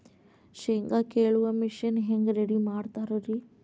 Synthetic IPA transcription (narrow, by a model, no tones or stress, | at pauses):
ɕeŋɡakeɭuʋamiʃinɦeŋɡɾeɽimaːɽt̪aɾoɾi